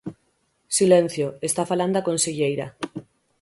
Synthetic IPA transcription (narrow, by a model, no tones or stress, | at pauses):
silẽn̟θjoest̪afaland̪akõnseʎejɾa